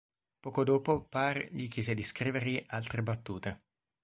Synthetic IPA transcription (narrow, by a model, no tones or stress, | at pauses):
pɔːkod̪oːpoparʎik̬jɛːzed̪iskɾiːverʎiʔalt̪ɾebat̪ːuːt̪e